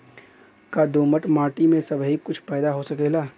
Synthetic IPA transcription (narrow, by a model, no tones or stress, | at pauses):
kad̪oːməʈmaːʈimẽsɐbʱɦikʊt͡ʃʰpɛːd̪aɦosɐkeːlaː